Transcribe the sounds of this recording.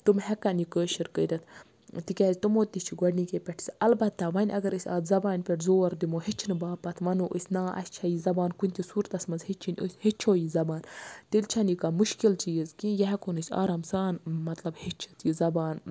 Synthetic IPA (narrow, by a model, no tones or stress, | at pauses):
t̪umhɛkɐnikəːʃiɾkəɾʲɐt̪ʰ | t̪ikʲɛːzʲit̪umoːt̪it͡ʃʰiɡɐɽniːkʲepʲeʈʰi̥sʲɐlbɐt̪ːaʋɐnʲɐɡɐɾɨsʲa̰ːd̪zɐbaːnʲpʲeʈzoːɾd̪imoːɦit͡ʃʰinɨbaːpɐt̪ʰʋɐnoːʔɨ̰sʲnaːʔɐ̰sʲt͡ʃʰɐjizɐbaːnkunʲt̪isuːɾt̪ɐsmɐnzhit͡ʃʰinʲṵsʲhit͡ʃʰoːjizɐbaːnt̪ilʲt͡ʃʰɐnikamuʃkilt͡ʃiːzkijɛɦɛkonɨsʲa̰ːɾamsaːnmɐt̪lɐbhit͡ʃʰi̥t̪ʰjizɐbaːn